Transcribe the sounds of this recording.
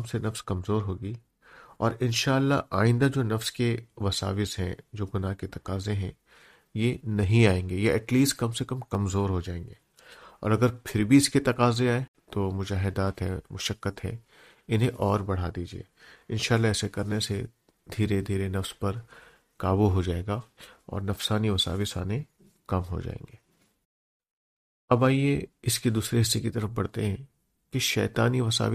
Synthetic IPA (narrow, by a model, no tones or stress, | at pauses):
msenɐfskɐmzoːɾɦoːɡiː | ɔ̰ːɾɪnʃaːlːa̰ʔaːɪ̃nd̪ad͡ʒoːnɐfskeʋɐsa̰ːʋɪsɦɛ̰̃d͡ʒoːɡʊnaːɦket̪ɐqaːzẽɦɛ̰̃ | jenɐɦĩaːẽːŋɡejeɛ̰ːʈliːsʈkɐmsekɐmkɐmzoːɾɦod͡ʒaːẽːŋ̆ɡeː | ɔ̰ːɾɐɡəɾpʰɪɾbʱiɪsket̪ɐqaːzẽaːẽ | t̪oːmʊd͡ʒaːɦɪd̪aːt̪ɦɛ̰̃mʊʃəkːət̪ɦɛ̰̃ | ɪnɦẽʔɔːɾbɐɽ̤ad̪iːd͡ʒiḛːɪnʃaːlːaɛɪsekɐɾnese | d̪ʱiːɾed̪ʱiːɾenɐfspɐɾ | kaːbuɦod͡ʒaːeːɡaɔ̰ːɾnɐfsaːniʋɐsa̰ːʋɪsa̰ːne | kɐmɦo̰d͡ʒa̰ːḛ̃ːŋ̆ɡeː | ɐbaːieɪsked̪uːsɾeɦɪsːekit̪ɐɾəfbɐɽ̤t̪ḛɦɛ̃ | kiʃɛ̰ːt̪aːniʋɐsa̰ːʋɪ